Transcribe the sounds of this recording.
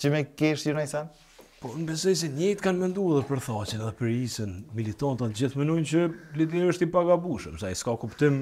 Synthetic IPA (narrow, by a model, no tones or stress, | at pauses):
t͡ʃəmɛkɛʃjunajsɛn | pɔnəbɛzɔjs̬ɛɲɛjt̪kanmɛnd̪uðuɾpəɾθat͡ɕənɛðɛpəɾisənmilit̪ant̪at̪d͡ʑiθmɛnɔjnt͡ɕəlid̪ɛɾəʃt̪ipaɡabuʃəmsajskakupt̪im